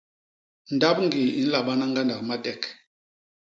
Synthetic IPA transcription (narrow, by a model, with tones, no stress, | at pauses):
n˨da˦pŋ˦ɡi˨i˦n̩˦la˨ɓa˦na˦ŋɡa˦nda˨kma˦tɛ˨k